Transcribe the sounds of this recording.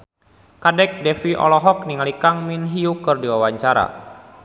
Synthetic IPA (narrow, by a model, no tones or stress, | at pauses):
kadɛk̚dɛfiʔɔ̰lɔɦɔk̚niŋalikaŋminɦiukɨrdiwawaɲt͡ʃaɾa̰